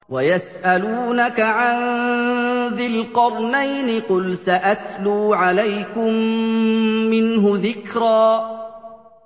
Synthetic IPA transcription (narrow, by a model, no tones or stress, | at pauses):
wajasʔaluːnakaʕan | ðɪlqɑɾˤnajnɪqʊlsaʔat̪luːʕalajkʊmː | ɪnɦʊðɪkɾaː